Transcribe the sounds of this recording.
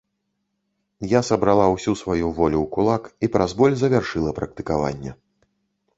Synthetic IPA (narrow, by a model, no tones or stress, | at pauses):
jasɐbɾalˠawsʲusvajuvɔlʲuwkulˠakipɾʔazbɔlʲzɐvʲarʂɨlˠɐpɾɐk̚t̪ɨkava̰nʲːɛ̰